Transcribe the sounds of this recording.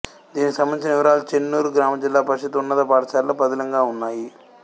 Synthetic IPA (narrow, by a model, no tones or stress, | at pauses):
d̪iːnikisɐmːɐnit͡ʃinɐiʋɐɾaːlut͡ʃenːuːɾuɡɾaːmɐd͡ʒilːaːpɐʃɐt̪unːɐt̪ɐpaːɾt͡ʃaːɾlɐbɐd̪ɐlɐŋɡaːunːaːji